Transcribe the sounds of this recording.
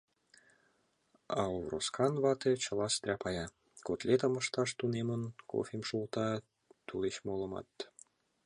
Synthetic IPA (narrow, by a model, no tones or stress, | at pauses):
ɑ̰ovro̰skɑnvɑt̪et͡ɕɤ̆lˠɑst̪rʲɑpɑjɑ | kot̪lʲet̪ə̆mə̆ʃt̪ɑʃt̪unemə̆nko̰fʲemʃulˠt̪ɑ | t̪uleɕmolˠɤ̆mɑ̰t̪ː